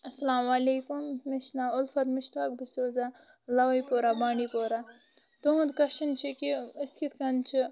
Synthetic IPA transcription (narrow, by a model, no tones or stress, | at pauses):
ɐsɐlaːmaːleːkumːɪʃnaːʊlfɐt̪mɪʃt̪aːk̚bisoːzalɐʋɐipoːɾaːbaːɳɖiːpoːɾaː | t̪oũnd̪kɐʃɐnt͡ʃʰikiɪskit̪ʰkɐnt͡ʃʰi